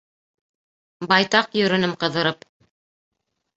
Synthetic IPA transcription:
bɑjt̪ɑqjɵ̆ɾɵ̆nɘmqɤ̆ðɤ̆ɾɤp

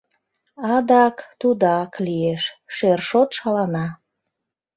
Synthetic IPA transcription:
ɑd̪ɑkt̪ud̪ɑklieʃʃerʃot̪ʃɑlɑnɑ

